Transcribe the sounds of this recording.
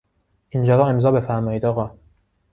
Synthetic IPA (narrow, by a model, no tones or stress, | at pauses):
ʔind͡ʒɒːɾɒːe̞mzɒːbe̞fæɾmɒːiːd̪ɒːɣɒː